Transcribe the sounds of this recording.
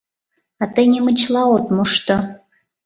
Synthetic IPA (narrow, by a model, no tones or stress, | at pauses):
ɑt̪enʲemə̆t͡ɕlˠɑot̪moʃt̪o